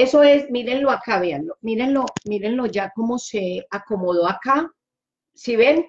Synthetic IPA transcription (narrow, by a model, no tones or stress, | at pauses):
e̞soe̞smiɾe̞nlo̞akaβeanlomiɾe̞nlo̞miɾe̞nlo̞d͡ʒako̞mose̞ako̞moðoaka | siβen